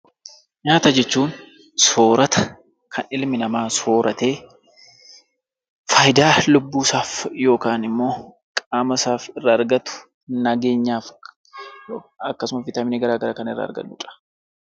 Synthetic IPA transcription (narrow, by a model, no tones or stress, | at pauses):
ɲaːt̪ɐd͡ʒɛt͡ʃːuːŋ | so̞ːɾɐt̪ɐ̥ | kʰɐnɪlmɪnɐmaːso̞ːɾʔɐt̪e̞ː | fɐjd̪aːlʊbːuːsaːfjo̞ːkaːnɪmːo̞ː | kʼaːmɐsaːfɪrːaːɾɡɐt̪ʊ̥ | nɐɡe̞ːɲːaːf | oːɐkːɐsʊmɐfɪt̪ɐmɪneːɡɐɾaːɡɐɾaːkɐnɪrːɐ̰ːɾɡɐ̰nːʊ̰ːᶑʼɐ̥